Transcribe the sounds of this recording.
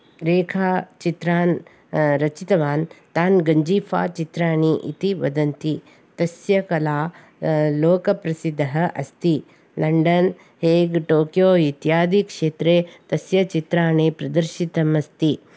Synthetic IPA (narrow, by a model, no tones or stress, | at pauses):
ɾeːkʰaːt͡ʃit̪ɾaːn | ɾɐt͡ʃit̪ɐʋaːnt̪aːnɡɐɲd͡ʒiːfʰa̰ːt͡ʃit̪ɾaːniʔḭt̪iʋɐ̰d̪ɐnt̪i | t̪ɐsjɐkɐlaː | loːkɐpɾɐsid̪ʱːɐɦɐʔɐst̪i | lɐɳɖɐn | heːɡʈoːkjoːit̪jaːd̪ʱikʂeːt̪ɾeːt̪ɐsjɐt͡ʃit̪ɾaːneːpɾɐd̪ɐɾʃit̪ɐmɐst̪i